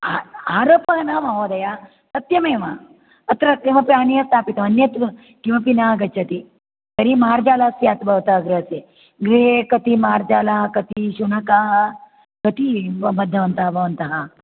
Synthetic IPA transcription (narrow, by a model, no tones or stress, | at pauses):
aaːɾoːpɐɦɐnamɐɦoːd̪ɐja | t̪ɐt̪jɐmeːʋɐ | ɐt̪ɾɐeːʋɐpɾaːnijɐst̪ʰaːpit̪ɐʋɐnjɐt̪ | kiʋɐpinaːɡɐt͡ʃːɐt̪i | t̪ɐɾimaːɾd͡ʒaːlaːsjaːt̪bʱɐʋt̪ɐɦɡɾɐse | ɡɾekɐt̪imaːɾd͡ʒaːlakɐt̪iʃunɐkaɦ | kɐt̪ibɐd̪ʱjɐʋɐnt̪ɐɦɐbʱɐʋɐnt̪ɐɦɐ